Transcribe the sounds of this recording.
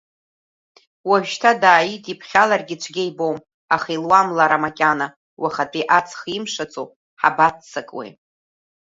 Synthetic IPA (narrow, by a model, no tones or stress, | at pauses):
waɥᶣtʰadaːjitʼipʰχʲalarɡʲɪt͡ʃʷʰɡʲejbowm | aχilwamlaɾamakʲʼana | wʔaχatʼiʔat͡sʰχimʂat͡sʼo̰ | ħa̰batʰt͡sʰakʼwḛ